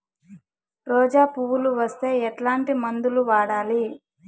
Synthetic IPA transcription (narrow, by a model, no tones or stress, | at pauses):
ɾɔːd͡ʒaːpuʋuluʋɐst̪e̞ːɛʈlaːɳʈimɐnd̪uluʋaːɽaːli